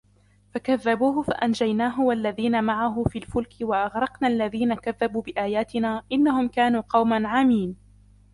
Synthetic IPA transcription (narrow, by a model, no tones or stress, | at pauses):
fakaðːabuːɦʊfa̰ʔand͡ʒajnaːɦʊwalːaðiːnamaʕaɦʊfiːlfʊlkɪwaʔɑɣɾˤɑqnaːʔalːaðiːnakaðːabuːbɪʔaːjaːt̪ɪnaːʔɪnːahʊmkaːnuːqɑwmanʕamiːn